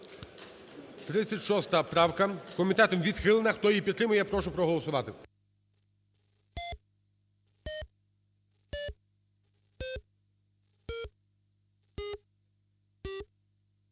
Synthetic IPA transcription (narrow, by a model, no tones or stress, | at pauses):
t̪ɾɪsʲɐtʲʃɔst̪ɐpɾɑwkɐkɔmʲit̪ɛt̪ɔmʋʲid̪xɪlˠenɐxt̪ɔjipʲit̪ːɾɪmʊjɛpɾɔʃʊpɾɔɦɔlˠɔsʊʋɑt̪ɪ